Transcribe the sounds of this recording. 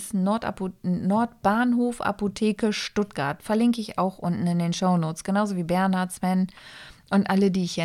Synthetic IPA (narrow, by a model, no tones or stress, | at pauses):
s | nɔɐtb̥aːnɦoːfʔa̰potʰeːkəʃtʊt̚ɡ̥aɐtfɛɐlɪŋkəɪça̰ʊxʔʊntn̩ɪndeːnʃoʊnoːt͡sɡ̥ənaʊzoviːbɛɐnhaɐsv̥ɛnʔʊntʔalədiːɪçhɛ